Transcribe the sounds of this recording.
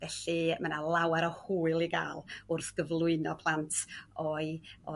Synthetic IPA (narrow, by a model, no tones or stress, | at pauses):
vɛɬimanalˠawɛɾɔhuːɨlˠiɡa̰ːlˠʊrθɡ̥əvlˠʊɨnɔpʰlˠantʰɔɨɔ